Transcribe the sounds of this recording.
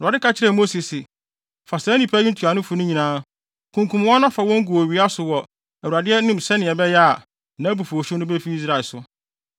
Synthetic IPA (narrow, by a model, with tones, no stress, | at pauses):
a˨dɪ˦ka˦t͡ɕʰɪ˦ɾɛ˨mo˦si˨sɪ˨ | fa˨sɛ˨˦nĩ˨pʰæ˦jĩ˦n̩˦tʰu˨a˨nʊ̃˦fʊ˨nʊ̃˦ɲĩ˨nãː˦ | kʰũ˨ŋkʰũ˨m˦wɔ̃˦nã˦fa˨wɔ̃˦ŋ̩˦ɡu˨o˨ɥi˨a˦sʊ˨wɔ˨ | æ˨wu˨ɾa˨dɪ˦ɛ˦nʊ̃˦msɛ˦nɪ̃˨ɛ˨bɛ˦jɛ˦a˨ | nã˨˦bu˨fo˨ɕʊ˦nʊ̃˦be˦fi˦i˦s̬ɾa˨lsʊ˨